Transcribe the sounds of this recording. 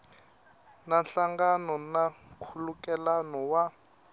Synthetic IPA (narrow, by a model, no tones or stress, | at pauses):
nanɬaŋɡanɔnakʰulukɛlanɔwa